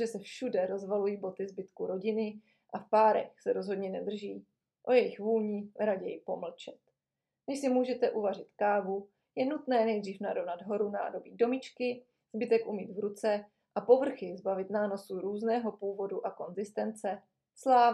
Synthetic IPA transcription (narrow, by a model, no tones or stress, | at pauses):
ʒɛsɛfʃudɛɾo̞zvalujiːbo̞t̪ɪzbɪt̪kuɾo̞ɟɪnɪ | ʔafpaːɾɛ̰xsɛɾo̞zɦo̞dɲɛnɛd̪r̩ʒiː | ʔo̞jɛjɪxvuːlɲiːɾaɟɛjpo̞ml̩t͡ʃɛt̪ | nɛʃsɪmuːʒɛt̪ɛʔuvar̝ɪt̪kaːvu | jɛnut̪nɛːnɛjdriːfnadovnadɦo̞ɾuna̰ːdo̞bido̞mɪt͡ʃkɪ | z̥bɪt̪ɛkʔumiːd̪vɾut͡sɛ | ʔapo̞vr̩xɪzbavɪt̪naːno̞suɾuːznɛːɦo̞puːvo̞duʔako̞nzɪst̪ɛnt͡sɛ | slaː